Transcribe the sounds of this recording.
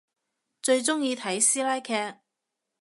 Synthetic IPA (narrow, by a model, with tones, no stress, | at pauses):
t͡ʃɵ˧ɥt͡sʊ˥ŋjiː˧t̪ʰɐ˨˥jsiː˥laː˥jkʰɛː˧k̚